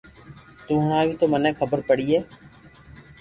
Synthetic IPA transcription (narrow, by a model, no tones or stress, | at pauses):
t̪ũːɦʊɽ̃ãːʋiːt̪oːmənɛ̃ːkʰəbəɾpəɽiːɛː